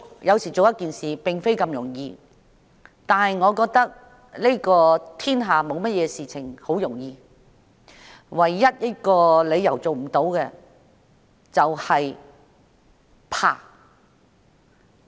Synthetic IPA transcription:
jɐ˨˧wsiː˨˩t͡so˨wjɐ˥t̚kiː˨nsiː˨pɪ˨ŋfe˥jkɐ˧mjʊ˨˩ŋjiː˧ | t̪aː˨nhɐ˨jŋɔː˨˧kɔː˧k̚t̪ɐ˥k̚ | le˥kɔː˧t̪ʰiː˥nɦaː˨mo˨˧wmɐ˥t̚jɛː˨˧siː˨t͡sʰɪ˨˩ŋho˨˥wjʊ˨˩ŋjiː˧ | wɐ˨˩jːɐ˥t̚jɐ˥t̚kɔː˧le˨˧jːɐ˨˩wt͡so˨wm̩˨˩t̪o˨˧˥wkɛ˧ | t͡sɐ˨whɐ˨j | pʰa̰ː˧˩

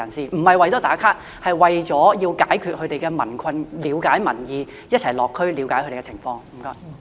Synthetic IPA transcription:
ɐ˨˩nsiː˨m̩˨˩hɐ˨jwɐ˨jt͡sɔː˨˥t̪aː˨˥kʰaː˥t̚ | hɐ˨jwɐ˨jt͡sɔː˨˥jiː˧wkaː˨˥jkʰyː˨t̚hɵ˨˧ɥt̪e˨jkɛː˧mɐ̰˨˩nkʰɐ˧nliː˨˧wkaː˨˥jmɐ̰˨˩njiː˨˧ | jɐ˥t̚t͡sʰɐ˨˩jlɔː˨kʰːɵ˥ɥli˨˧wkaː˨˥kʰɵ˧te˨˧ɛ˧t͡sʰɪ̰˨˩ŋfɔː˧ŋm̩˨˩kaː˧

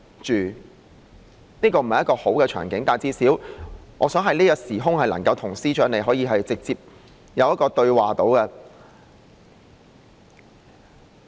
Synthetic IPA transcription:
t͡ʃyː˨˩ | niː˥kɔː˧m̩˨˩hɐ˨jɐ˥tkɔː˧ho˨˥wkɛː˧t͡ʃʰœ̰ː˨˩ŋkɪ˨˥ŋt̪aː˨˩t͡siː˧siː˨˥wʔɔː˨˧sœː˨˥ŋɦɐ˨jniː˥jɐ˧tsiː˨˩ɦʊ˥ŋhɐ˨jlɐ̰˨˩ŋkɐ˧wt̪ʰʊ˨˩ŋsiː˥t͡ʃœː˨˥ŋne˨jɦɔː˨˥jiː˧ɦɐ˨jt͡sɪ˨k̚t͡siː˨p̚ | jɐ˨˧wjɐ˥tkɔː˧t̪ɵ˧ɥwaː˨t̪o˨˥wkɛ˧

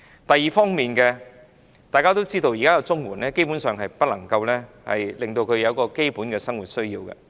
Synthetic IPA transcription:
t̪ɐ˨jːiː˨fɔː˥ŋmiː˨nkɛ˧ | t̪aː˨jkaː˥t̪o˥wt͡siː˥t̪o˧wjiː˨˩kaː˥jɐ˧wt͡sʊ˥ŋwuː˨˩nlɛː˥ke˥jpu˨˥nsœː˨ŋɦɐ˨jpɐ˥t̚lɐ˨˩ŋkɐ˧wlɛː˥ | hɐ̰˨jlɪ˨ŋt̪o˧wkʰɵ˨˧ɥjɐ˨˧wkɔː˧ke˥jpuː˨˥nkɛː˧sɐ˥ŋwuː˨˩t̚sɵ˥ɥjiː˧wkɛ̰˧

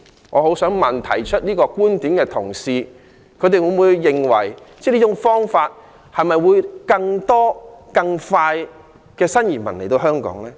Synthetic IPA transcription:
ŋʔɔː˨˧ho˨˥wsœː˨˥ŋmɐ˨nt̪ʰɐ̰˨˩jt͡ʃʰɵ˥t̚niː˥kɔː˧kuː˥nt̪iː˨˥mkɛː˧t̪ʰʊ˨˩ŋsiː˧ | kʰɵ˨˧t̪e˨jwuː˨˧muː˨˧jːɪ˨ŋwɐ̰˨˩jt͡sɛː˥˧liː˥t͡ʃʊ˨˥ŋfɔː˥ŋfaː˧t̚ | hɐ˨jmɐ˨jwuː˨˧jkɐ˧ŋt̪ɔː˥kɐ˧ŋfaː˧j | kɛː˧sɐ˥njiː˨˩mɐ̰˨˩nle˨˩t̪o˧wɦœː˥ŋkɔ̰ː˨˥ŋlɛː˥

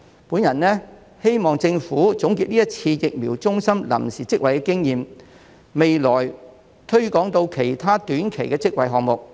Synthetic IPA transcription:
puː˨˥njɐ˨˩nnɛː˥ | he˥jmɔː˨ŋt͡sɪ˧ŋfuː˨˥t͡sʊ˨˥ŋki˧t̚niː˥jɐ˥t̚t͡sʰiː˧jɪ˨k̚miː˨˩wt͡sʊ˥ŋsɐ˥mlɐ̰˨˩msiː˨t͡sɪ˥k̚wɐ˨jkɛ˧˥kɪ˥ŋjiː˨m | me˨jlɔː˨˩j | t̪ʰɵ˥ɥkɔː˨˥ŋt̪o˧wkʰe˨˩jt̪ʰaː˥t̪yː˨˥nkʰe˨˩jkɛː˧t͡sɪ˥k̚wɐ˨˧jɦɔː˨ŋ̚mʊ˨k̚

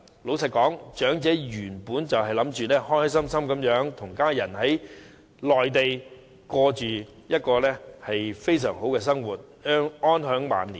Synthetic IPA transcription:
lo˨˥wsʰɐ˨t̚kɔː˨˥ŋt͡ʃœː˨˥ŋt͡sɛː˨˥jyː˨˩npuː˨˥nt͡sɐ˨wɦɐ˨jlɐ˨˥mt͡ʃyː˨lɛː˥hɔː˥jsɐ˥msɐ˥mkɐ˨˥mjœː˨˥ŋt̪ʰʊ˨˩ŋkaː˥jɐ˨˩nhɐ˨˥j | lɔː˨jt̪e˨j | kɔː˧t͡ʃyː˨ | jɐ˥t̚kɔː˧lɛː˥hɐ˨jfe˥jsœ̰ː˨˩ŋɦo˨˥wkɛː˧s̬ɐ˥ŋwuː˨t̚ | œː˥ŋɔː˥nɦœː˨˥ŋma̰ː˨˧nlḭː˨˩

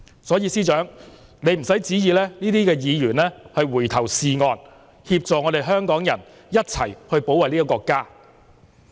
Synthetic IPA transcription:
sɔː˨˥jiː˨˧siː˥t͡ʃœː˨˥ŋ | ne˨˧jm̩˨˩sɐ˨˥jt͡siː˨˥jiː˧lɛː˥niː˥t̪iː˥kɛː˧jiː˨˧jyː˨˩nlɛː˥hɐ˨jwuː˨˩jt̪ʰɐ˨˩wsiː˨ŋɔː˧n | hiː˧p̚t͡sɔː˨ŋɔː˨˧ɾe˨jɦœː˥ŋkɔː˨˥ŋjɐ˨˩n | jɐ˥t̚t͡sʰɐ˨˩jhɵ˧ɥpo˨˥wɐ˨˩jniː˥i˥kɔː˧kːaː˥

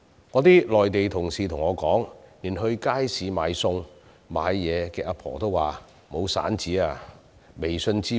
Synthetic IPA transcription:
ŋɔː˨˧t̪iː˥lɔː˨jt̪e˨jt̪ʰʊ˨˩ŋsiː˨t̪ʰʊ˨˩ŋɔː˨˧kɔː˨˥ŋniː˨˩nɦɵ˧ɥkaː˥jsiː˨˥maː˨˧jsʊ˧ŋ | ma̰ː˨˧jːɛː˨˧kɛː˧ʔɐ˧˥pʰɔ̰ː˨˩t̪o˥waː˨˩ | mo˨˧wsa̰ː˨˥nt͡siː˨˥aː˧ | me˨jsɵ˧nt͡siː˥

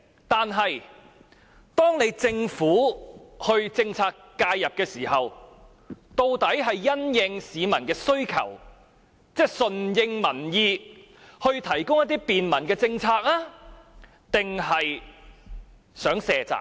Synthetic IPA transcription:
t̪aː˨nɦɐ˨j | t̪ɔː˥ŋne˨˧jt͡sɪ˧ŋfuː˨˥hɵ˧ɥt͡sɪ˧ŋt͡sʰaː˧kːaː˧jːɐ˨p̚kɛː˧siː˨˩hɐ˨w | t̪o˧wt̪ɐ˨˥jɦɐ˨jːɐ˥njɪ˧ŋsiː˨˧mɐ˨˩nkɛː˧sɵ˥ɥkʰɐ̰˨˩w | t͡sɛː˥sɵ˨njɪ˧ŋmɐ˨˩njiː˧ | hɵ˧ɥt̪ʰɐ˨˩jkʊ˥ŋjɐ˥t̪iː˥piː˨nmɐ˨˩nkɛː˧t͡sɪ˧ŋt͡sʰaː˧k̚laː˥ | t̪ɪ˨ŋɦɐ˨j | sœː˨˥ŋsɛː˨t͡sa̰ː˨k̚

